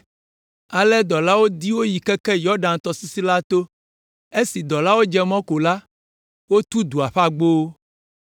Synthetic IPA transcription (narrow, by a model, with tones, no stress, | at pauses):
a˨lɛ˦d̪ɔ˨la˦wo˦d̪i˦wo˦ji˨kɛ˦kɛ˦jɔ˦ɖã˨nt̪ɔ˨si˦si˦la˦t̪o˦ | e˦si˨d̪ɔ˨la˦wo˦d͡ʒɛ˦mɔ̃˦ko˨la˦ | wo˦t̪u˦d̪u˨a˨ɸa˦ɡ͡bo˦